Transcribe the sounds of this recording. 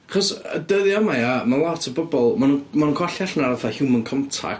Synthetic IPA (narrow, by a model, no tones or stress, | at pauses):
χɔsədəðjɔmajamalˠatʰəbɔbɔlˠmanumanunkʰwaɬaɬnaɾaθahɪwmənkʰɔmtʰa̰